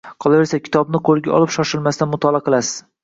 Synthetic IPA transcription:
qʰɒlˠave̞ɾsakʲʰɪ̥t̪ʰɒbnɪqʰoɾˠɡʲaɒ̰lˠɪpʃɒʃɪlmast̪anmʊt̪ʰɒlˠaqʰɨlˠasɪ̥z̥

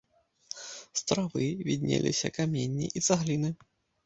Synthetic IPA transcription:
st̪ɾavɨvʲid̪ʲnʲḛlʲisʲɐ̰kamʲenʲːiʔizaɣlʲinɨ

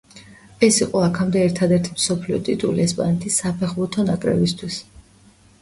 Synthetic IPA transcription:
ɛsiqʼɔakʰamd̪ɛːɾt̪ʰad̪ɛɾt̪ʰimsɔpʰliɔ̰t̪ʼit̪ʼuliɛspʼa̰nɛt̪ʰisːapʰɛχbuɾt̪ʰɔnakʼɾɛ̰bist̪ʰwis

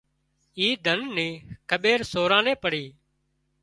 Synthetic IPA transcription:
iːd̪ʱənːiːkʰəɓeːɾsoːɾãːnẽːpəɽiː

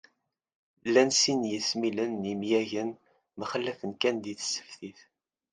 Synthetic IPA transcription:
lːænsinjəsmilənːimjæʝən | məχəlːæfənkænd̪iθə̥sːə̥fθiθ

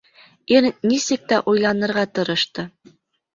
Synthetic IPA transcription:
iɾnisɘk̚t̪æʔujlˠɑnɤ̆ɾʁɑt̪ɤ̆ɾɤ̆ʃt̪ɤ

